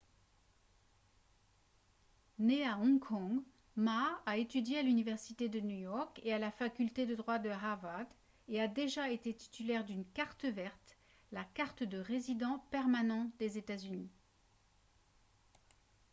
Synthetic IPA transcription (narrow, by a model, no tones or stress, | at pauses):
neaɔ̃kʰɔ̃ɡ | maːet̪yd̪jealynivɛʁsit̪ed̪ənujɔʁkealafakʲylt̪ed̪əd̪ʁwad̪əʁavad̪ | ead̪eʒaet̪et̪i̥t̪ylɛʁd̪ynkaʁt̪əvɛʁt̪ | lakaʁt̪əd̪əʁezid̪ɑ̃pɛʁmanɑ̃d̪ezet̪azyni